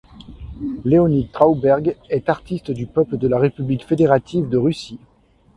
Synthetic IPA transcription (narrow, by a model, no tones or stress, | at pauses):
leɔnit̪χawbɛʁɡɛt̪aʁt̪ist̪d̪ypœpləd̪əlaʁepyblikfed̪eʁat̪ʰivd̪əʁysi